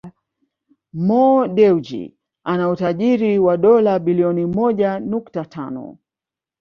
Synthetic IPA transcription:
mɔɗɛud͡ʒḭ | anautaʄiɾiwaɗɔlaɓiliɔnimɔʄanuktatʰanɔ̰

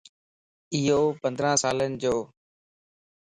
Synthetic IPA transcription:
ɪɦoːpə̃nd̪ɾãːsaːlənɪd͡ʑoː

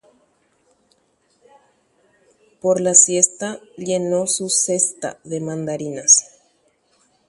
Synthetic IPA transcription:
po̞ɾlasje̞st̪aʎe̞nosuse̞st̪a̰ðemãnd̪aɾinas

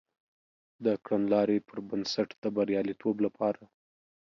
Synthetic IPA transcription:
d̪əkɽanlɑɾepʰəɾbansaʈd̪̥əbaɾjɑlit̪ʰoblapʰɑɾa

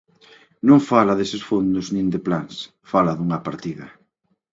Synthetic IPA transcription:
nõŋfalaðesɪsfond̪ʊznĩnd̪ɪplans | falaðuŋɐpaɾt̪iðɐ

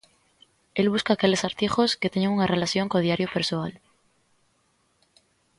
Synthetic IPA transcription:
e̞lβ̞uskaːkele̞saɾt̪ixo̞sket̪eɲeŋuŋare̞laθjo̞ŋkoð̞jaɾjopeɾsoal

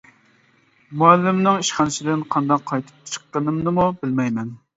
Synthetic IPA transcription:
muɛlːɪmnɪŋiʃχɑnɨsɪd̪ɪnqʰɑnd̪ɑqʰːɑjt̪ʰɨ̥p̚t͡ʃʰə̥qːənɨmnɨmubɪlmɛjmɛn

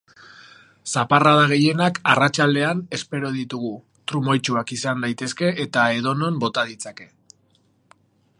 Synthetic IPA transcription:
saparaðaɣ̞e̞je̞nakarat͡ʃald̪e̞ane̞spe̞ɾo̞ð̞it̪uɣu | t̪ɾumo̞jt͡ʃuakisand̪ajt̪e̞ske̞ʔːt̪aeð̞o̞no̞mbo̞t̪aðit͡sake̞

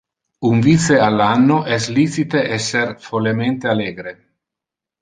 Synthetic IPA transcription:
uɱvit̪sealːanːoʔɛslisit̪eʔɛsːerfolement̪ealeːɡɾe

